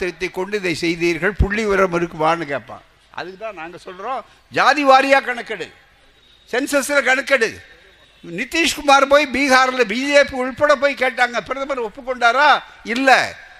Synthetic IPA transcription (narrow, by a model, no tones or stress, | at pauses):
t̪ːɪɾɐt̪ːɐɪkːɔɳɖɯɪðɐɪsɛjðiːɾɣɐɭpʊɭːiʋɐɾɐmɪɾɯkːɯʋaːnɯkeːpːã̰ː | ʔɐ̰ðɯkːɯt̪ːãːnaːŋɡɐsɔlːɾõː | d͡ʒaːðiʋaːɾɪjaːkɐɳɐkːɐɽɯ̰ | sɛnsɐsɪlɐkɐɳɐkːɐɽɯ̰ | nɪt̪ːiːʂkʊmaːɾpoːjbiːɣaːɾɐlɐbid͡ʒiepːʊɻpːɐɽɐp̬oːjkeːʈːaːŋɡɐpɪɾɐðɐmaːɾiɔpːɯkːɔɳɖaːɾaː | ɪlːɛ̰